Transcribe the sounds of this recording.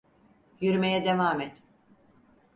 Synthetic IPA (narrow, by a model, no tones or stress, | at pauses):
jyɾmejɛd̪evaːmɛt̪